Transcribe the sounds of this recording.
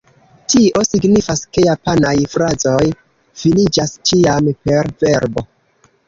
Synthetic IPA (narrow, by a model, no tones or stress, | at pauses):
tiʔo̞siɡnifaske̞japanajfɾazo̞j | filid͡ʒast͡ʃiampe̞ɾve̞ɾbo̞